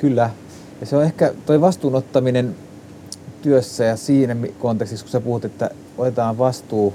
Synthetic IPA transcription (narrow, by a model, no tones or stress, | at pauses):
kylːæ | jɑseoehkæt̪oiʋɑst̪uːnot̪ːɑminen | t̪yøsːæjɑsiːnæmikont̪ekst̪iksku̥sepuhut̪et̪ːæ̰ | ot̪et̪ɑːʋʋɑst̪uː